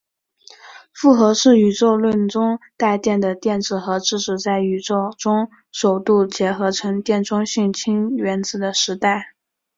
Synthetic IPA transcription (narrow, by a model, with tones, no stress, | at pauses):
fu˥˩xɤ˧˥ʂɻ̩˥˩y˨˩ʈ͡ʂo˥˧ʊlwə˥˧nʈ͡ʂʊ˥ŋt̪a˥˧ɪt̪jɛ˥˩nd̪ə˩t̪jɛ˥˧nʈ͡ʂɻ̩˥˩xɤ˧˥ʈ͡ʂɻ̩˥˩ʂɻ̩˨˩t͡sa˥˩ɪy˨˩ʈ͡ʂo˥˧ʊʈ͡ʂʊ˥ŋ | ʂo˨˩ʊt̪u˥˩t͡ɕjɛ˧˥xɤ˧˥ʈ͡ʂʰɤ˧˥ŋt̪jɛ˥˩nʈ͡ʂʊ˥ŋɕy˥˩nt͡ɕʰi˥ŋɥɛ˧˥nt͡sɹ̩˨˩d̪ə˦ʂɻ̩˧˥t̪a˥˩ɪ